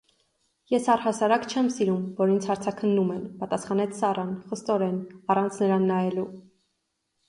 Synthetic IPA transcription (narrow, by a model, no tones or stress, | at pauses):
jɛsɑrhɑsɑɾɑkt͡ʃʰɛmsiɾumvɔɾint͡sʰhɑɾt͡sʰɑkʰənːumɛnpɑt̪ɑsχɑnɛt͡sʰsɑrʔɑnχəst̪ɔɾɛnɑrɑnt͡sʰnəɾɑnːɑjɛlu